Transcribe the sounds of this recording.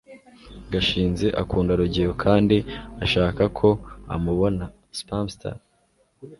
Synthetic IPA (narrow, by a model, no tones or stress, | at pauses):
ɡaʃiːnze̞ʔakuːndaɾuɟiɾokʰaːndiaʃaːkakʰo̞a̰muβo̞na | spamstʰa̰